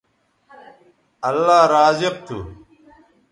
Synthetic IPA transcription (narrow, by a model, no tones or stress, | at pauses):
ɐlːaːɾaːziq̚t̪ʰṵ